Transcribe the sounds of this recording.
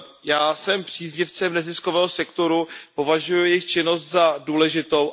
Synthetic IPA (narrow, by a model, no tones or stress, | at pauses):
jaːsɛmpr̝̥iːzɲɪft͡sɛmnɛzɪskovɛːɦo̞sɛkt̪o̞ɾupo̞vaʒujʊjɪxt͡ʃɪno̞st̪zaduːlɛʒɪt̪o̞w